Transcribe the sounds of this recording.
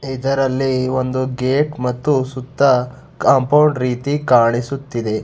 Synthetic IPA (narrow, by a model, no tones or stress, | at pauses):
id̪ɐɾɐlːio̞nd̪uɡeːʈmɐt̪ːusut̪ːɐ | kɐmpɐwɳɖɾiːt̪ikaːɳisut̪ːid̪e̞